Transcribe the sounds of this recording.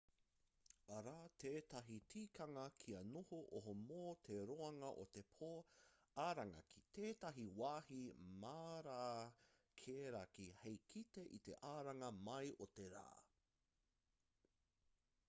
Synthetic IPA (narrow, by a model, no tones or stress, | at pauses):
ɐɾaːt̪ʰeːt̪ɐɦitʰiːkʰɐŋɐkʰiɐnohoʔoɦomoːt̪ʰeɾoɐŋɐʔot̪e̞pʰoː | aːɾɐŋɐ̰kʰi̥t̪eːt̪ɐɦiwaːhimaːɾaː | kʰeːɾɐkihejkʰit̪e̞ʔit̪e̞ʔaːɾɐŋɐmɐjʔot̪eɾa̰ː